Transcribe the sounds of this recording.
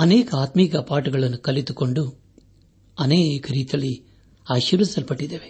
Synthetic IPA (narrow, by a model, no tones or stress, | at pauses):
ɐneːkɐaːt̪mikɐpaːʈuɡɐɭɐnːukɐlit̪ukoɳɖu | ɐnekɐɾiːt̪iɐɭːi | aːʃɐʋisɐlpɐʈːid̪eːʋe